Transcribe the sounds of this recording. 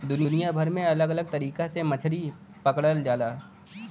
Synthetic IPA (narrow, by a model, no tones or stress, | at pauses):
d̪ʊninijabʱɐɾmẽɐləɡɐləɡ̚t̪ɐɾiːkasemɐt͡ʃʰɽi | pɐkɽəld͡ʒaːlaː